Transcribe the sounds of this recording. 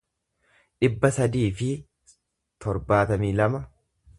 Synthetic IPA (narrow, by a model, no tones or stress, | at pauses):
ᶑɪbːɐsɐd̪iːfɪ | t̪ʰɔɾbaːt̪ɐmiːlɐmɐ